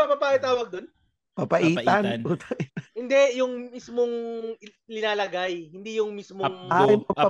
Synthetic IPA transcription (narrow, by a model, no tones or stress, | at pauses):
apɐpaːʔɪt̪aːwɐɡ̚d̪on | papɐʔiːt̪anuːt̪ʰɐʔ̪hɪnd̪ɛjʊŋmismoŋ | lɪnaːlɐɡajhɪnd̪ijʊŋmismoŋajpɐa